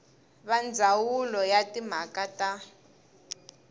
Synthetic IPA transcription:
βand͡zʱawulɔjatʼim̤akatʼa

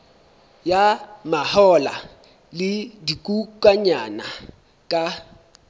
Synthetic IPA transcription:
jamahɔla̰ | lɪdikʼukʼwaɲana | kʼa

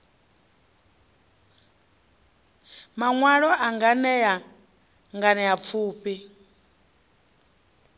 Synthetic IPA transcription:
maŋwaɺɔaŋɡanɛja | ŋɡanɛjap̪fʰuːpi

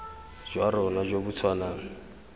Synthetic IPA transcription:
ʒ̥waɾɔnaʒobut͡sʰwanaːŋ̩

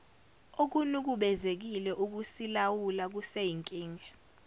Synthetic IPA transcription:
ok̬unuk̬uɓɛzek̬ilɛʔuk̬usilawulak̬usejiŋkʼiːŋʱɛ

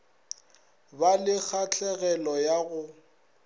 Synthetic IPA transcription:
balɪk͡xʰat͡ɬʰɛɣɛlɔjaɣʊ

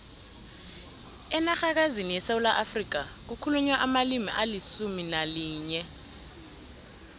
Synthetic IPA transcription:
ɛnaxak̬azinijɛsaulaʔafrik̬ak̬ukʰuluɲwaʔamalimḭʔalisuminaliːɲɛ

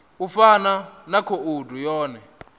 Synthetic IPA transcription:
ufananakʰɔudʱujɔːnɛ

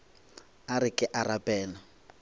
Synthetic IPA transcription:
aɾɪkʼɪʔarapʼɛːlɔ

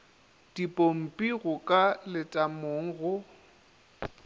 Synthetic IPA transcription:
d̥ipʼom̩pʼiɣʊkʼalɪtʼamoːŋ̩ɣʊ

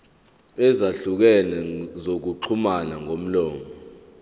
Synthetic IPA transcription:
ɛzaɬuk̬ɛnɛzok̬uǃʰumanaŋom̩lɔːmʱɔ

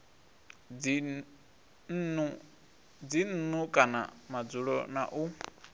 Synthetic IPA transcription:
n̩nu | d͡zin̩nukʼana̰mad͡zuɺɔnaʔu

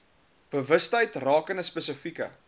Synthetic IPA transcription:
b̥əvəstəjtrɑːkənəspəsəfikə̰

